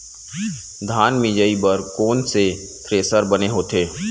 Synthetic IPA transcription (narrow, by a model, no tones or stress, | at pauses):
d̪ʱaːnmid͡ʒəibəɾkoːnse | t̪ʰɾeːsəɾbəneɦoːt̪ʰeː